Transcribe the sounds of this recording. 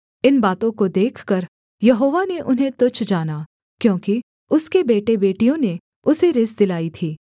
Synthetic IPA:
ɪnbaːt̪õkod̪eːkʰkəɾ | jɐɦoːʋaneʔʊnɦẽt̪ʊt͡ʃʰd͡ʒaːna | kjõːki | ʊskebeːʈebeːʈijõne | ʊseɾɪsd̪ɪlaːit̪ʰiː

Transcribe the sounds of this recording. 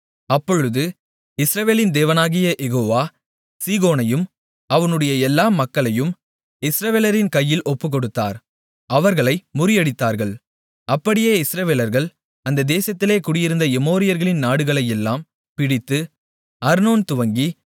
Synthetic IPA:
ɐpːɔɻɯðɯ | ɪsɾɐʋeːlɪnd̪eːʋɐnaːɣɪjɐʔɛɣoːʋaː | siːɣoːnɐjɯm | ɐʋɐnɯɽɐjɐɛlːaːmɐkːɐɭɐjɯm | ɪsɾɐʋeːlɐɾɪnkɐjːɪlʔɔpːɯkɔɽɯt̪ːa̰ːɾ | ɐʋɐɾɣɐɭɐɪmʊɾɪjɐɽɪt̪ːaːɾɣɐɭ | ɐpːɐɽɪjeːɪsɾɐʋeːlɐɾɣɐɭ | ɐnd̪ɐd̪eːsɐt̪ːɪleːkʊɽɪjɪɾɯnd̪ɐɛmoːɾɪjɐɾɣɐɭɪnnaːɽɯɣɐɭɐjɛlːaːm | pɪɽɪt̪ːɯ | ɐɾnoːnt̪ʊʋɐŋɡi

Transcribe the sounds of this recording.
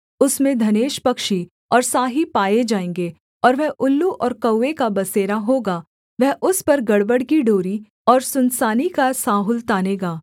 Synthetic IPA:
ʊsmẽd̪ʱɐneːʃpɐkʃi | ɔːɾsaːɦipaːjed͡ʒaːẽːŋɡeː | ɔːɾʋɛɦʔʊlːuʔɔːɾkɐʊːekabɐseːɾaɦoːɡaː | ʋɛɦʔʊspɐɾɡɐɽbəɽkiɖoːɾi | ɔːɾsʊnsaːnikasaːɦʊlt̪aːneːɡaː

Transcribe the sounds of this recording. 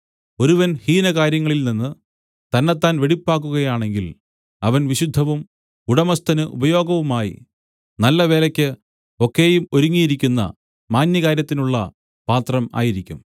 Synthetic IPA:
o̞ɾuʋɐnhiːnɐkaːɾjɐŋːɐɭilninːɨ | t̪ɐnːɐt̪ːaːnʋeɽipːaːk̬ːuɣɐjaːɳe̞ŋɡil | ɐʋɐnʋiɕud̪ʱːɐʋum | uɽɐmɐst̪ʰɐnɨʔṵbɐjo̞ːɡɐʋumaːjḭ | nɐlːɐʋe̞ːlɐkʲːɨ | o̞kːe̞ːjumo̞ɾuŋːijiɾikʲːunːɐ̰ | maːnjɐkaːɾjɐt̪ːinuɭːɐ | paːt̪rɐma̰ːjiɾikʲːum

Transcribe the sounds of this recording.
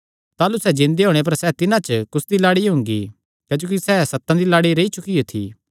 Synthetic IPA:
t̪aːlusɛd͡ʒɪ̃nd̪eɦoːɽ̃ep̬ɐɾsɛːt̪ɪnãt͡ʃkʊsd̪ilaːɽiɦʊ̃ŋɡḭ | kɐːd͡ʒoːkisɛːsɐt̪ːãd̪ilaːɽiɾeit͡ʃʊkijot̪ʰḭː

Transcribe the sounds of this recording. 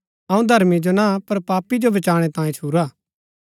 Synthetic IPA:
ɐũd̪ʱɐɾmid͡ʒonapɐɾpaːpid͡ʒobɐt͡ʃaːɽ̃et̪ãːĩt͡ʃʰuːɾaː

